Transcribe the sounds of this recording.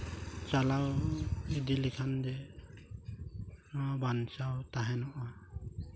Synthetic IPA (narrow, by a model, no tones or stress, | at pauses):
t͡ʃalawidilikʰandɛ | bansawt̪aɦɛnɔʔa